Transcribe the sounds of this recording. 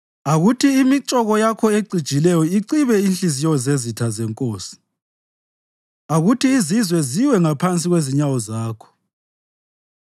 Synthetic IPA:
aɣutʰiːmit͡ʃʼɔɣɔjakʰɔeɡ͡ǀʱid̥ʒ̥ʱilɛjɔiǀiβɛinɬizijɔɔzezitʰazɛŋkʼoːsi̥ | aɣutiːzizwɛziwɛŋapʰant͡sʼiɣweziɲawɔzaːkʰɔ̥

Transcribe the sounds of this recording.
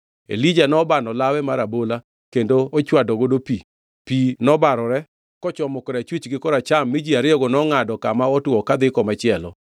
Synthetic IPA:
ḛlid͡ʒanɔbanɔlawɛmaɾabola | kendoot͡ʃwadɔɡodopi | pinɔbaɾɔɾɛ | kɔt͡ʃɔmɔkɔɾat͡ʃwit͡ʃɡɪkɔɾat͡ʃamːɪd͡ʒiaɾɪɔɡɔnɔŋadɔkamaɔtwɔkad̪ɪkɔmat͡ʃɪɛlɔ

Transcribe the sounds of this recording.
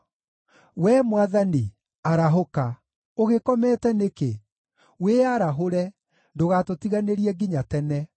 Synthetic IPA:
wɛmwaðani | aɾaɦoka | oɣekɔmɛtɛneke | weaɾaɦoɾɛ | ndoɣatotiɣaneɾiɛɡiɲatɛnɛ

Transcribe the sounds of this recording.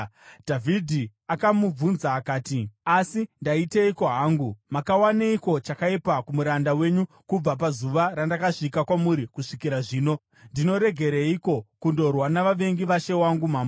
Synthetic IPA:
dʱavʱidʱi | akamub͡vunzaːkaːtiasindaiteiko̞ɦaːŋɡumakawaneiko̞t͡ʃakaipakumuɾandawe̞ɲu | kub͡vap̬azuʋaɾandakaʂikakwamuɾikuʂikiɾaʐiːno̞ | ndino̞ɾe̞ɡʱe̞ɾeiko̞kundo̞rwanaʋaʋe̞ŋɡiʋaʃe̞waŋɡumaːmo

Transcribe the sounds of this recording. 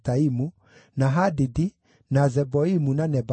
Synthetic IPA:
taimu | naɦadidi | nazɛbɔimunanɛb

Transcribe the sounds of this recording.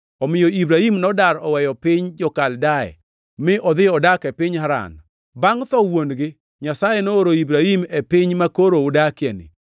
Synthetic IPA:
ɔmɪjɔibɾahimnɔdaɾɔwɛjɔpɪɲd͡ʒɔkaldaɛ̰ | mɪʔɔd̪ɪɔdakɛpɪɲhaɾa̰n | baŋt̪ɔwonɡɪ | ɲasajenooɾoibɾahimɛpɪɲmakoɾoʊdakjɛnɪ̰

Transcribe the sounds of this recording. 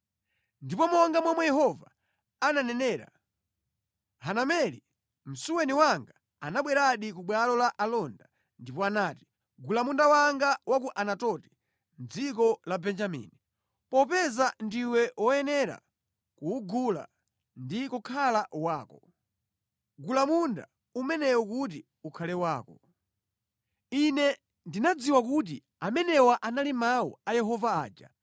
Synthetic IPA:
ndipɔmɔŋɡamwamwɛjɛhɔva̰ | ananɛnɛːɾa̰ | hanamɛli | m̩suwɛniwaŋɡa | anaɓwɛɾaɗikuɓwalɔlaʔalɔnda | ndipɔanaːti̥ | ɡulamundawaŋɡawak̬uʔanatɔti̥ | n̩d͡zik̬ɔlabɛnd͡ʒamḭni | pɔpɛzandiwɛwɔjɛnɛɾa̰ | kuːɡula̰ | ndikɔkʰalawaːkɔ | ɡulamunda̰ | umɛnɛwɔkut̬i | ukʰalɛwaːkɔ | inɛ | ndinad͡ziwakut̬i | amɛnɛwaʔanalimawɔ̰ajɛɦɔvaaːd͡ʒa̰

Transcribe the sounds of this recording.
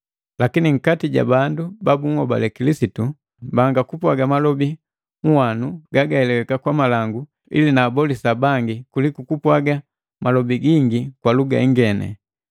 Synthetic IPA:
lakiniŋ̩katiɟa̰bandubabuŋhɔba̰lɛkilisitu | baŋɡakupwaɡamalɔbi | ŋ̩wanuɡaɡaɛlɛwɛkakwamalaŋɡu | ḭlinaːbɔlisabaŋɡikulikukupwaɡa | mʔalɔbiɡiŋɡikwaluɡa̰iŋɡɛnɛ̰

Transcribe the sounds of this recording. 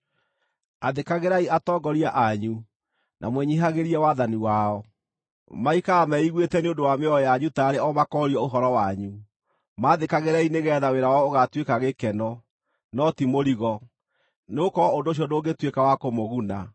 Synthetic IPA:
aðekaɣeɾaiatɔːɡɔɾiaʔaɲu | nʔa̰mwɛɲiɦaɣeɾiɛwaðaniwaɔ | maikaːmɛiɣwetɛneondowameɔjaɲutaːɾeɔmakɔːɾiɔoɦɔɾɔwaɲu | maːðekaɣeɾaineɣɛːðaweɾawɔoɣatwekaɣekɛnɔ | nɔtimoɾiɣɔ | neokɔondoːɕ̬iɔdoːɡetwekawakomoɣuna

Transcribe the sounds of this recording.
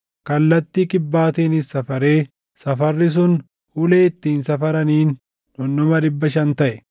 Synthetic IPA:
kɐlːɐt̪ːiːkɪbːaːt̪eːnɪsːɐfɐɾe̞ː | sɐfɐrːɪs̬ʊn | hʊleːɪt̪ːiːnsɐfɐɾɐniːnː | ɔnːɔmɐᶑɪbːɐʃɐnt̪ɐʔɛ

